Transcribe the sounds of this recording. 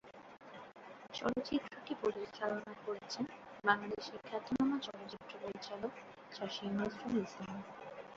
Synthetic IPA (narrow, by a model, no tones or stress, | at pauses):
t͡ɕɔ̰ɽot͡ɕit̪ːɾoʈipoɾiʃkʰalonakoɾet͡ɕʰenbaŋlad̪iʃikʰːat̪ːonamat͡ɕɔɽot͡ɕit̪ːɾopoɾit͡ɕalok | t͡ɕaʃimosɾulislam